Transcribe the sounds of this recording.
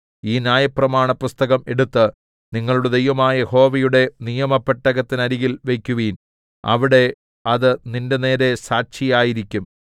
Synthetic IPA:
iːnjaːjɐprɐmaːɳɐpust̪ɐɣɐme̞ɽut̪ːɨ | niŋːɐɭuɽed̪ejʋɐmaːjɐjeho̞ːʋɐjuɽe̞nijɐmɐpːeʈːɐɣɐt̪ːinɐɾiɣilʋe̞jkʲːuʋiːn | ɐ̰ʋiɽe̞ | ɐðɨninde̞ne̞ːɾe̞saːɕijaːjiɾikʲːum

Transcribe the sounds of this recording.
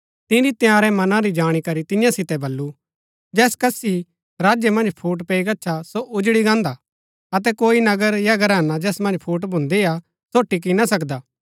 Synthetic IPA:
t̪ɪ̃ɾit̪jaːɾɛmɐnãɾid͡ʒaːɽ̃ikɐɾit̪ɪjãsɪt̪ɛbɐlːu | d͡ʒɛːskɐsi | ɾaːd͡ʒjɛmɐ̃nd͡ʒpʰuːʈ̬peːiɡɐːʃʰasoʔʊd͡ʒɽiɡãːnd̪a | ɐt̪̬ɛkoːinɐɡəɾjaɡəɾɛːnad͡ʒɛːsmɐ̃nd͡ʒpʰuːʈ̬bʱʊ̃nd̪ea | soːʈːik̬inasɐkd̪aː

